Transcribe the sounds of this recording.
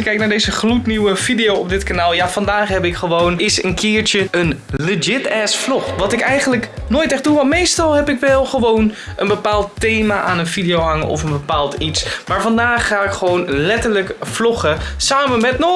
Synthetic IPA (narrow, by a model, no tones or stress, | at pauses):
kɛjk̚naːɹdejzəχlutniwəv̥idijowɔp̚dɪtkanaːlˠjavɑndaːχɦɛpɪkχəʋownɪsənkʰɪːɹt͡ʃəənləd͡ʒɪtɛsflɔχʋɑtɪkɛjχənləknoːjtɛχduʋɑntmejstɑlˠɦɛpɪkʋɛlˠχəʋownʔənbəpaːlˠtːejmaʔaːnənvidijowɦɑŋə̰nʔɔ̰fənbəpaːlˠtitsmaːɹvɑndaːχːaːɪkχəʋownlɛtəɹləkflɔχəsaːmənmɛtnɔ